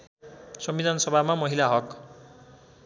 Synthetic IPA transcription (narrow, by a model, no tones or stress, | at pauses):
sʌmbid̪ʱansʌbʱamamʌɦilaɦʌk